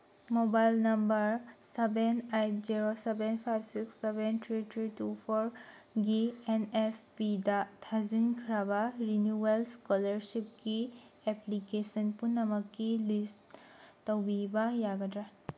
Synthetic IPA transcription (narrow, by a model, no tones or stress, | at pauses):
mobajlnɐmbɐɾsebenajtziɾosebenpʰajbsiksːebent̪ʰɾitʰɾitupʰɔɾ | ɡienespidatʰazinkʰɾabaɾinuwelskɔlɐɾsip̚ɡieplikesɐnpunːɐmɐkːilistː | ɐwbibajaɡɐdɾa